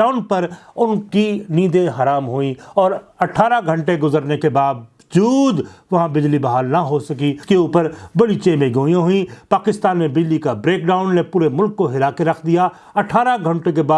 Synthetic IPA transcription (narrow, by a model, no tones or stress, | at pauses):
aːʊnpɐɾʊnkiniːd̪ẽɦɐɾaːmɦuĩɔːɾɐʈʰaːɾaɡʱɐ̃ɳʈeɡʊzəɾnekebaːd̪ | d͡ʒuːd̪ʋɐɦãbɪd͡ʒlibɐɦaːlnɐɦosɐkikeuːpəɾbɐɽit͡ʃẽːmẽɡoːijãɦʊĩpaːkɪst̪aːnmẽbɪd͡ʒlikabɾeːkɖaːʊnːepuːɾemʊlkːoɦɪlaːkeɾɐkʰd̪ija | ɐʈʰaːɾaɡʱɐ̃ɳʈekebaː